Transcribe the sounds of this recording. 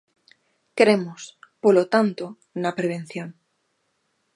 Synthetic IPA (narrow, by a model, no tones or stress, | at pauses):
kɾemospolot̪ant̪o | napɾeβ̞ẽn̟θjõn